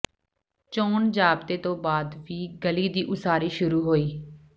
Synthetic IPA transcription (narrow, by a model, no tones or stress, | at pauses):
t͡ʃoːnd͡ʒaːbt̪eːt̪õːbaːd̪ʋiːɡəliːd̪iːʔʊsaːɾiːʃʊɾuːɦoːiː